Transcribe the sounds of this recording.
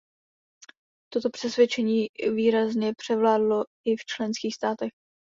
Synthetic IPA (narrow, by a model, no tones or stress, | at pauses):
t̪o̞t̪o̞pr̥ɛsvjɛt͡ʃɛɲiːviːɾazɲɛpr̥ɛvlaːdlo̞ | ɪft͡ʃlɛnskiːxst̪aːt̪ɛx